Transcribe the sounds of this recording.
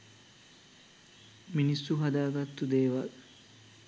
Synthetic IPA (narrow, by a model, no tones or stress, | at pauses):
minisːuɦad̪aːɡɐt̪ːud̪eːʋal